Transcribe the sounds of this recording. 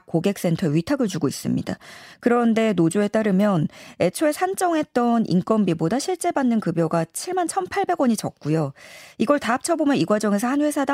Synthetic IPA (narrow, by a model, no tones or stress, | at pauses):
koɡe̞k̚s͈e̞ntʰʌɥitʰaɡɯɭt͡ɕuɡois͈ɯmɲida̰kɯɾʌnde̞nod͡ʑue̞t͈aɾɯmjʌne̞t͡ɕʰoe̞sʰant͡ɕ͈ʌŋɦe̞t̚t͈ʌnʔḭnk͈ʌmbibodaɕʰiɭt͡ɕ͈e̞banːɯnkɯbjʌɡat͡ɕʰiɭmant͡ɕʰʌnpʰaɭbe̞ɡwʌɲit͡ɕʌk̚k͈ujoiɡʌɭtaːp̚t͡ɕʰʌbomjʌniɡwad͡ʑʌŋe̞sʰʌhanɸwe̞sʰada